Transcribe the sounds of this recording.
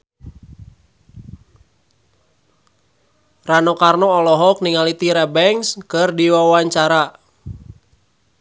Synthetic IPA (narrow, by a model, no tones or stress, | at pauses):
ranɔkarnɔːlɔɦɔk̚niŋalit̪iɾɛbɛŋskɨrdiwawaɲt͡ʃaɾa